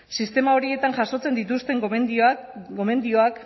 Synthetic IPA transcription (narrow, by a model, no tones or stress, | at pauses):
sist̪e̞mao̞ɾie̞t̪anʝaso̞t͡se̞nd̪it̪ust̪e̞ŋ | ɡo̞me̞nd̪io̞ak